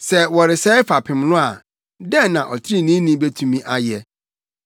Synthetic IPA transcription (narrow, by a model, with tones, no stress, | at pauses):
sɛ˦wɔ˨ɾɪ˨sɛ˦ɪ˦fa˨pʰɪ̃˨m˦lʊ̃˦a˨ | dɛ˦nã˨ʔɔ˨tʰɪ˦i˦nĩ˦nĩ˦be˦tʰũ˨mĩ˦ʔa˨jɛ˨